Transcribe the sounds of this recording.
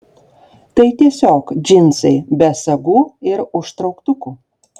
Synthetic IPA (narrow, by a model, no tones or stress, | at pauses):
t̪ɐɪt̪ʲiɛsʲoːkd͡ʒʲɪnʲˑsɐɪbʲɛsɐɡuːɪɾʊʃt̪ɾɒʊkt̪ʊkuː